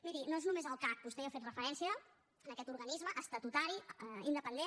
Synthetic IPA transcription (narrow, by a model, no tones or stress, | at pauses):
miɾinoeznumezəlˠkak̚bust̪eəfet̪rəfəɾɛnsiə | ənəkɛt̪uɾɣənizməʔəst̪ət̪ut̪aɾiind̪əpənd̪e